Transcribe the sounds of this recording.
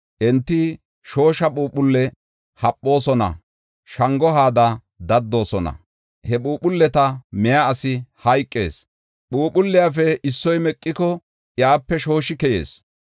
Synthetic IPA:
ʔɛnt̪ːɪ | ʃo̞ːʃɐɓuːpʊlːɛ | hɐpʼːo̞ːsɔnɐ̰ | ʃɐŋɡɔɦaːd̪ɐ | d̪ɐd̪ːo̞ːsɔnɐ̰ | hɛɓuːpʊlːɛt̪ɐmɛjaːsɪhɐjkʼːe̞̰ːs | ɓuːpʊlːɪjafɛʔɪsːɔjmɛkʼːɪkɔ | ʔjaːpːɛʃo̞ːʃɪkɛjḛːs

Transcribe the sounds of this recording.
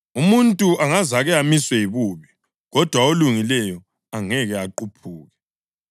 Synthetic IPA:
umuntʼuʔaŋazaɣɛamiswɛiβuːβi | ɣɔd̥ʱwaoluŋilɛjɔ | aŋɛɣɛaǃupʰuːɣɛ

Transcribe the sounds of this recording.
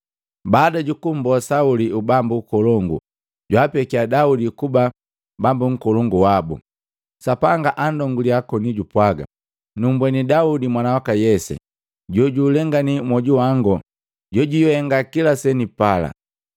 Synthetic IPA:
baːdaɟukum̩bɔsauliubambuːkɔlɔŋɡṵ | ɟwapɛkiadaudikuba | bambuŋ̩kɔlɔŋɡuwabṵ | sapaŋɡaʔandɔŋɡuliakɔniɟupwaɡa̰ | numbwɛnidaudimwanawakajɛsɛ̰ | ɟɔɟuːlɛŋɡanimwɔɟuwaŋɡɔ | ɟɔɟujɔhɛŋɡakilasɛnipala̰

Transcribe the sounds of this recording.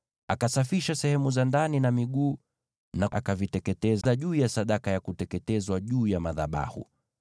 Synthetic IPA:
akasafiʃasɛhɛmuzandaninamiɠuː | naʔakavitɛkɛtɛzaʄuːjasaɗakajakutɛkɛtɛzwaʄuːjamaða̰ɓa̰hṵ

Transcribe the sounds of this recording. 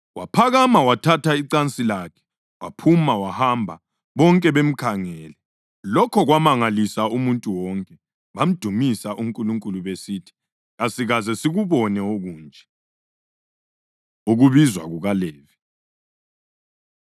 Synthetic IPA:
wapʰaɣamawatʰatʰaiǀant͡sʼilakʰɛ̥ | wapʰumawahambʱa | βɔŋkʼɛβem̩kʰaŋɛːlɛ | lɔkʰɔɣwamaŋalisaumuntʼuwɔŋkʼɛ | βam̩d̥ʱumisaʔuŋkʼuluŋkʼuluβesiːtʰi̥ | ɣasiɣazɛsiɣuβɔnɛoɣuːnd͡ʒʱɛ | uɣuβizwa̰ɣuɣalɛːvi

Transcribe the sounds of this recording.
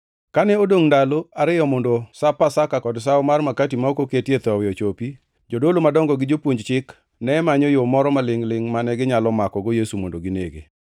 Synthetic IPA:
kanɛodoŋndaloaɾɪjɔmondosapasakakɔds̬aʊmarmakatimaokoketjet̪ɔwɪjɔt͡ʃopi | d͡ʒodolomadɔŋɡɔɡɪd͡ʒopwoɲd͡ʒt͡ʃɪk | nɛmaɲɔjomɔɾɔmalɪŋlɪŋmanɛɡɪɲalɔmakɔɡojesumondoɡɪneɡḛ

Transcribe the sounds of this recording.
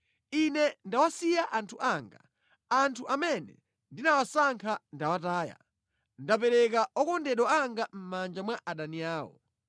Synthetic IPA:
inɛndawasijaʔantʰuʔaːŋɡa | antʰuʔamɛnɛ̰ | ndinawasaŋkʰandawataːja̰ | ndapɛɾɛkaʔɔkɔndɛɗwɔaŋɡam̩mand͡ʒamwaʔaɗaniaːwɔ̰

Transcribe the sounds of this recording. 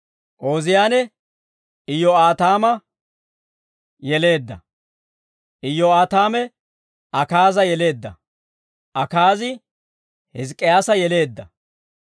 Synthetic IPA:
ʔo̞ːzɪjaːnɛ | ɪjːɔaːt̪aːmɐ | jɛle̞ːd̪ːɐ̰ | ʔɪjːɔaːt̪aːmɛ | ɐkaːzɐjɛle̞ːd̪ːɐ̰ | ʔɐkaːzɪ | hɪzkʼːɪjaːsɐjɛle̞ːd̪ːɐ

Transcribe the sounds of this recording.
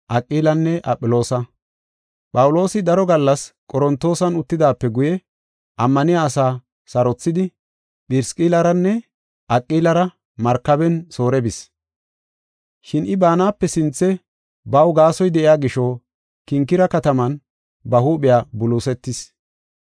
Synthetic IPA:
ʔɐkʼːiːlɐnːɛʔɐpʼːɪlo̞ːsɐ | pʼɐwʊlo̞ːsɪd̪ɐɾɔɡɐlːɐskʼɔɾɔnt̪ːo̞ːsɐnʊt̪ːɪd̪aːpːɛɡʊjɛ | ʔɐmːɐnɪjaːsaː | sɐɾɔt͡sːɪd̪ɪ | pɪɾskʼiːlɐɾɐnːɛ | ʔɐkʼːiːlɐɾɐ | mɐɾkːɐbɛnso̞ːɾɛbɪs | ʃɪnɪbaːnaːpːɛsɪnt͡sːɛ | bɐwɡaːsɔjd̪ɛʔɪjaːɡɪʃɔ | kɪŋkːɪɾɐkɐt̪ɐmɐn | bɐhuːɓɪjaːbʊluːsɛt̪ːɪs

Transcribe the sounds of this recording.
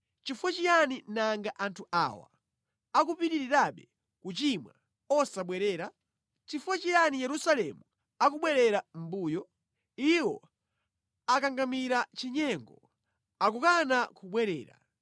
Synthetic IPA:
t͡ʃifwɛt͡ʃijaninaŋɡaʔantʰuʔa̰wa̰ | akupiɾiɾiɾaɓɛ | kut͡ʃimwa̰ | ɔsaɓwɛɾɛːɾa | t͡ʃifwɛt͡ʃijanijɛɾusalɛmu | ak̬uɓwɛɾɛɾam̩buːjɔ | iwɔ̰ | akaŋɡamiɾat͡ʃiɲɛŋɡɔ̰ | akukanakuɓwɛɾɛ̰ːɾa̰

